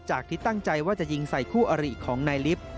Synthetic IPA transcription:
t͡ɕaː˨˩k̚t̪ʰiː˥˩t̪a˥˩ŋt͡ɕa˧jwaː˥˩t͡ɕa˨˩ʔji˧ŋsa˨˩jkʰuː˥˩ʔa˧ɾi˨˩kʰːɔː˩˦ŋnaː˧jli˦˥p̚

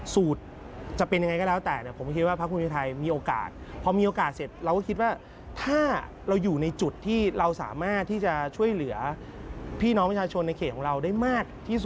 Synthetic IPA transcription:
suː˨˩t̪̚ | t͡ɕa˨˩pe˧nja˧ŋ˧jkɔː˥˩lɛː˦˥wt̪ɛː˨˩ni˧˩pʰo˩˦mkʰi˦˥waː˥˩a˦˥k̚ʰu˧pʰːt̪ʰa˧jmiː˧ʔoː˧ka̰ː˨˩t̪̚pʰɔ˧miː˧ʔoː˧kaː˨˩t̪̚se˨˩t̪̚ɾa˧wkkʰi˦˥t̪̚waː˥˩ | t̪ʰaː˥˩ | ɾa˧wjuː˨˩na˧jt͡ɕu˨˩t̪ʰːiː˥˩ɾa˧wsa̰ː˩˦maː˥˩t̪ʰːiː˥˩t͡ɕa˨˩t͡ɕʰu˥˩əjlɯ˩˦ɐ | pʰiː˥˩nɔ˦˥pʰa˧˩t͡ɕʰaː˧t͡ɕʰo˧nːa˧kʰe˨˩ɔ˩˦ŋɾa˧wdaː˥˩jmaː˥˩k̚t̪ʰiː˥˩su˨˩

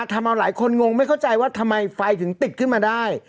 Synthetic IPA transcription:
t̪ʰa˧mʔa˧wlaː˩˦jkʰo˧nŋo˧ŋma˥˩jkʰwt͡ɕa˧jwaː˥˩t̪ʰa˧mːa˧jfa˧jt̪ʰɯ˨˩˦ŋt̪i˨˩t̪̚kʰɯ˥˩nmaː˧daː˥˩j

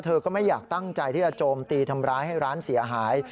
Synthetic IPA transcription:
t̪ʰɤː˧kɔː˥˩ma˥˩jːaː˨˩k̚t̪a˥˩ŋt͡ɕa˧jt̪ʰiː˥˩t͡ɕa˧˩t͡ɕoː˧mt̪iː˧t̪ʰa˧mɾaː˦˥jha˥˩jɾaː˦˥nsi˩˦ɐɦaː˩˦j

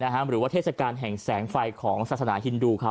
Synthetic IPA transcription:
na˦˥kʰa˦˥ɾɯː˩˦waː˥˩t̪ʰe˥˩sa˧kaː˧nɦɛ˨˩ŋsɛː˩˦ŋfa˧jkʰɔː˩˦ŋsaː˨˩t̪̚sa˧naː˩˦ɦi˧nduː˧kʰa˦˩

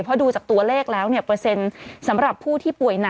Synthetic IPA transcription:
pʰɔ˦˥duː˧t͡ɕaː˨˩k̚t̪u˧ɐleː˥˩k̚lɛː˦˥wni˥˩ɐpɾɤ˧se˧nsa˩˦mɾa˨˩pʰːuː˥˩t̪ʰiː˥˩pu˨˩əjna˧

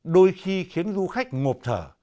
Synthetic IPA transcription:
ɗo˧jxi˧xi˨˦ənzu˧xa˦˥jk̚ŋo˨˩p̚t̪ʰə̰ː˧˩

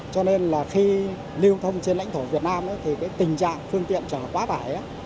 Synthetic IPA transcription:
t͡ɕɔ˧ne˧nlaː˨˩xi˧ | li˧ə˧wt̪ʰə˧wŋ͡mt͡ɕe˧nla̰˧˥jŋt̪ʰo˧˩vi˨˩ət̚naː˧mʔaː˨˦t̪ʰi˨˩kaː˨˦jt̪ï˨˩ŋ̟t͡ɕa̰ː˧˨ŋfɨ˧əŋt̪ḭ˧˨ənt͡ɕəː˧˩kwaː˨˦faː˧˩jʔaː˨˦

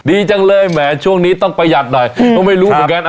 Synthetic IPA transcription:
diː˧t͡ɕa˧ŋlɤː˧jmɛː˨˩˦t͡ɕʰu˥˩əŋniː˦˥t̪ɔ˥˩ŋpa˧jja˨˩t̪̚nɔ˨˩jkɔ˧˥ma˥˩jɾuː˦˥m˨˧˦kaː˧nʔ

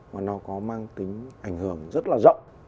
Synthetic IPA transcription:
maː˨˩nɔ˨˦kɔ˨˦maː˧ŋt̪ï˨˦ŋ̟ʔa˧˩jŋhɨ˧˩əŋzə˦˥t̚laː˨˩zə̰˧˨wŋ͡m

